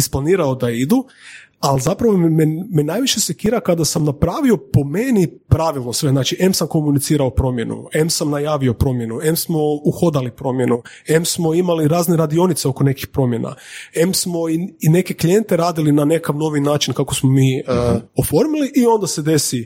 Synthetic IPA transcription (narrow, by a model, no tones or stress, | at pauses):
isplˠaniːɾaod̪aid̪u | alzapɾaʋommemenaːjʋiʃe̞sekiːɾakad̪asamnapɾaːʋio̞po̞me̞nipɾaʋilˠno̞sʋe̞znaːt͡ʃiʔe̞msamko̞munit̪siːɾaopɾo̞mje̞nṵemsamnajaːʋio̞pɾo̞mje̞nue̞msmo̞uxo̞d̪alipɾo̞mje̞nu | emsmo̞imaliɾaːzne̞ɾad̪io̞nit̪seo̞kone̞kixpɾo̞mjena̰emsmo̞iine̞ke̞klʲjent̪e̞ɾaːd̪ilinane̞kaʋno̞ʋinaːt͡ʃinkako̞smomiːəo̞foɾmiliʔio̞nd̪ase̞d̪e̞si